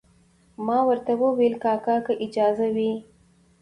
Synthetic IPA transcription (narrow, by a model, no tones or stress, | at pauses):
mɑwəɾt̪awəwelkɑkɑkaʔɪd͡ʒɑzawi